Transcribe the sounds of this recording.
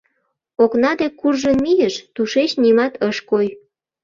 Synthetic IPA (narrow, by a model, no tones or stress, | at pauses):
oknɑd̪ekurʒənmijəʃt̪uʃet͡ɕnimɑt̪ʰəʃkoj